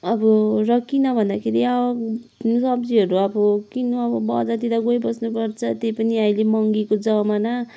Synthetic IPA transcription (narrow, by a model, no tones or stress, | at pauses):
ʌbʌrʌkːinʌbʱʌnd̪akʰeɾiawaksʌbd͡ziʌɾuʌbʌkinoʌbʌbʌd͡zat̪id̪aɡojbʌsnupʌrt͡sʰʌt̪ejpʌniʌilemʌŋɡikod͡zʌmana